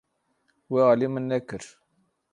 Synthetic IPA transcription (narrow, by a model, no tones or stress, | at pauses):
wealimənːækəɾ